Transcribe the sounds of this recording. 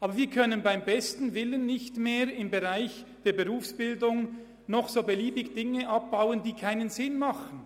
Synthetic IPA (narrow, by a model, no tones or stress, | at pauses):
ʔɑːbɐɾviːɐkʰœnənbaɪmbɛstn̩vɪlənːɪçtmeːɾɪmbeʁaɪçd̥eːɐbeʁuːfsb̥ɪldʊŋ | nɔχsoːbeliːbɪɡd̥ɪŋəʔɑp̚b̥aʊəndiːkʰaɪnənzɪnmɑχn̩